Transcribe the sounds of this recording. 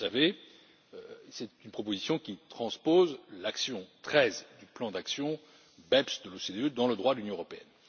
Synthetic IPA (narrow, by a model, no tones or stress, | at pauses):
save | sɛt̪ynpχɔp̬ozisjɔ̃kʲit̪χɑ̃spozlaksjɔ̃t̪χɛzd̪yplɑ̃d̪aksjɔ̃ | bɛpsd̪əlosed̪eød̪ɑ̃ləd̪ʁwad̪əlynjɔ̃əʁɔpeɛ̰n